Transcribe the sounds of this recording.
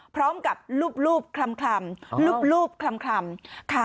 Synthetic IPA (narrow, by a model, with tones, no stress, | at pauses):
pʰɾɔː˦˥mka˨˩p̚luː˥˩p̚luː˥˩p̚kʰla˧mkʰɾa˧mluː˥˩p̚luː˥˩p̚kʰla˧mkʰa˧mkʰa˧˩